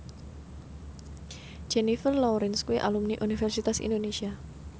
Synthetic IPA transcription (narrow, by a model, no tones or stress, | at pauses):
d͡ʒ̥enifərlɔɾɛnskuiʔa̰lumniʔunifɛrsit̪asḭnd̪onesia